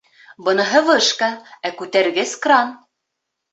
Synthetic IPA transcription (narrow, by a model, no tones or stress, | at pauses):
bɤ̆nɤ̆ɦɤvɤʃkɑækʉt̪æɾɡæskrɑn